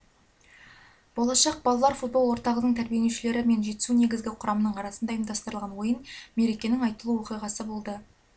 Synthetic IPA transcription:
b̥o̞lˠɑʃɑq̚bɑlˠɑlˠɑɾfut̪̚bo̞lˠwo̞ɾt̪ɑʁənəɴt̪ʰæɾbije̞neʃɪle̞ɾɪme̞nʒe̞t̪ɪ̥sune̞ɡʲɪzɡʲɪqʰʊɾʔɑmənəɴɑɾɑsənd̪ɑijəmd̪ɑst̪əɾəlˠʁɑnwo̞jənme̞ɾe̞kʲe̞nɪŋɑjt̪əlˠuwo̞qijʁɑsəbo̞lˠd̪ə

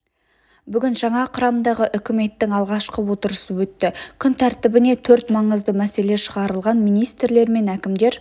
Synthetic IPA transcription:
bʏɡʲɪnʒɑɴɑqʰʊɾɑmd̪ɑʁəʔʏkʲɪme̞t̪ːɪŋɑlˠʁɑʃqəwo̞t̪əɾəsəwɵt̪ːɪkʲʰʏnt̪ʰæɾt̪ɪbɪne̞t̪ʰɵɾt̪mɑɴəzd̪əmæse̞le̞ʃəʁɑɾəlˠʁɑnmijnijst̪ɾle̞ɾme̞nækʲɪmd̪e̞ɾ

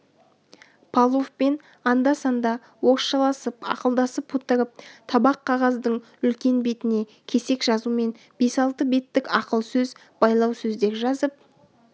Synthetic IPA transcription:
pʰɑlˠofpe̞n | ɑnd̪ɑsɑnd̪ɑ | wo̞qʃɑlˠɑsəpɑ̰qəlˠd̪ɑsəpʰːut̪ːəɾəp̚t̪ʰɑbɑqʰːɑʁɑzd̪əɴ | ʏlkʲe̞nbe̞t̪ɪne̞ | kʲʰe̞se̞kʒɑzume̞n | b̥e̞sɑlˠt̪əbe̞t̪ːɪkɑqəlˠsɵz | b̥ɑjlˠɑwsɵzd̪e̞ɾʒɑzəp

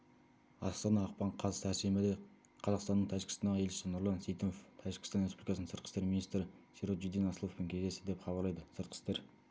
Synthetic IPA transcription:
ɑst̪ɑnɑːq̚pɑɴqʰɑzæsemɪd̪e | qʰɑzɑqst̪ɑnːəɴt̪ʰæʒɪɡkʲɪst̪ɑnd̪ɑʁje̞lʃɪ̥sɪnʊɾlˠɑnsejt̪ʰonoft̪ʰæʒɪɡkʲɪ̥st̪ɑnɾespublikɑsnənsəɾt̪qʰə̥st̪e̞ɾminijst̪ɾɪseɾot̪ʒud̪enɑsəlˠofpɪŋkʲʰezd̪e̞st̪ɪd̪e̞pχɑbɑɾlˠɑjd̪əsəɾt̪̚qʰə̥st̪e̞ɾ

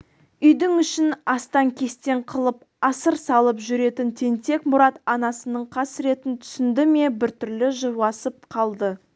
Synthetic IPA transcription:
ʏjd̪ɪŋʏʃɪnɑst̪ɑŋkʲʰe̞st̪e̞ɴqʰəlˠəp̚ | ɑsəɾsɑlˠəpʒʏɾe̞t̪ɪnt̪ʰe̞nt̪e̞kmʊɾɑt̪ɑnɑsənəɴqʰɑsɾe̞t̪ɪnt̪ʰʏ̥sɪnd̪ɪmebɪɾt̪ʏɾlɪʒəɑsəp̚qʰɑlˠd̪ə

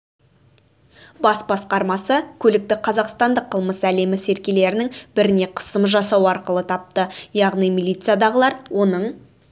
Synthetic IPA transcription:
bɑsbɑsqɑɾmɑsəkʲʰɵlɪk̚t̪ɪqʰɑzɑqst̪ɑnd̪əqʰːəlˠməsæle̞mɪse̞ɾkʲe̞le̞ɾɪnɪŋbɪɾɪne̞qʰə̥səmʒɑsɑwɑɾqəlˠət̪ʰɑp̚t̪əjɑʁnijmilʲˠijt̪sɨjad̪ɑʁəlˠɑɾwʔo̞nəɴ

